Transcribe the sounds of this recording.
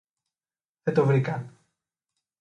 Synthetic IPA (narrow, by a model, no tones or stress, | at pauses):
ðet̪ovɾikan